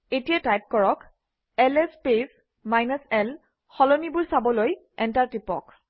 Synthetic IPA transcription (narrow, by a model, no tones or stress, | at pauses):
etijatajp̚kɔɹɔk | ɛlɛspes | majnɔsɛl | xɔlonibʊɹsabɔloj | ɛntaɹtipɔ̰k